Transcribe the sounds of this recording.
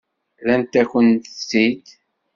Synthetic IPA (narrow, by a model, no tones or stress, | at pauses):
lænt̪æçənt̪əsid̪